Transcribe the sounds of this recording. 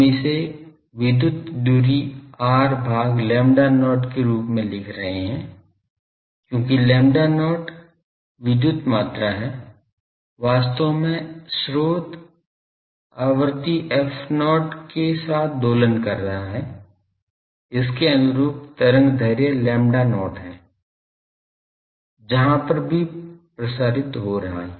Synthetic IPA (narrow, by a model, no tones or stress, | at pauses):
ẽse | ʋɪd̪jʊt̪d̪uɾiaːɾbʱaːɡlɛ̃ːmɖanɔːʈkeɾuːpmẽlɪkʰɾɐɦeɦɛ̃ː | kjõːkilɛ̃ːmɖanɔːʈ | ʋɪd̪jʊt̪maːt̪ɾaɦɛː | ʋaːst̪õmẽsɾoːt̪ | aːʋəɾt̪iʔɛfnɔːʈkesaːt̪̚ʰd̪oːlənkɐɾːɐɦaɦɛ | ɪskeɐnʊɾuːp̚t̪ɐɾə̃ŋɡd̪ʱɐɾjəlɛ̃ːmɖanɔːʈɦɛ̃ː | d͡ʒɐɦãpɐɾbʱipɾɐsaːɾɪt̪ɦoɾɐɦa̰ɦɛ̃ː